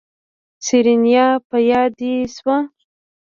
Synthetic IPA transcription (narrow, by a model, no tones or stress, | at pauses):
siɾinjɑpajɑd̪iswa